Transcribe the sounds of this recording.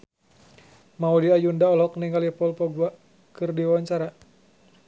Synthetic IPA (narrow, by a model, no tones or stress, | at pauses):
maudiajundaɔlɔk̚niŋalipɔlpɔɡuaʔ | kɨrdiwaɲt͡ʃaɾa